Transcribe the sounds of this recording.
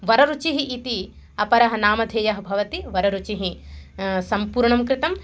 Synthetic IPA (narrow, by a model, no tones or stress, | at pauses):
ʋɐɾɐɾut͡ʃiɦiʔːt̪i | ɐpɐɾɐɦɐnaːmɐd̪ʱeːjɐɦɐ̆bʱɐʋɐt̪iʋɐɾɐɾut͡ʃiɦi | sɐmpuːɾɳɐmkɾɪt̪ɐm